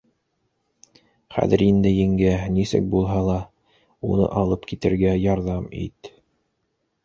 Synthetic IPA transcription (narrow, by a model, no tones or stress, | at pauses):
χæ̰ðɘɾind̪ɘjɘ̆ŋɡænisɘ̰k̚bulˠɦɑlˠɑ | unɤ̰ʔɑlˠɤpkit̪ɘ̆ɾɡæjɑɾðɑmḭt̪